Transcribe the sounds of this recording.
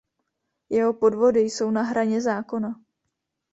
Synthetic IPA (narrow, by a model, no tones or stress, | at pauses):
jɛɦo̞po̞dvo̞dɪjso̞wnaɦɾaɲɛzaːko̞na